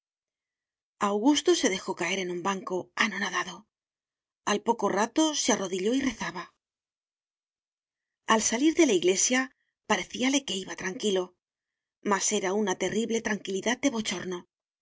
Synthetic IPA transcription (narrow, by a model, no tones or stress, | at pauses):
awɣ̞ust̪o̞se̞ðe̞xo̞kae̞ɾe̞numbaŋko̞ano̞naðaðo̞ | alpo̞ko̞rat̪o̞searo̞ðiʎo̞ire̞θaβa | alsaliɾðe̞laiɣle̞sja | paɾe̞θiale̞ke̞iβat̪ɾaŋkilo̞ | mase̞ɾaunat̪e̞riβle̞t̪ɾaŋkiliðað̚d̪e̞βo̞t͡ʃo̞ɾno